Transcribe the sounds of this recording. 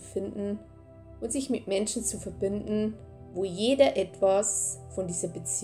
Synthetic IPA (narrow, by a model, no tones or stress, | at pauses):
fɪndn̩ | ʔʊntz̥ɪçmɪtmɛnʃn̩t͡sufɛɐbɪndn̩ | voːjeːdɐʔɛtv̥asfɔndiːzɐbət͡s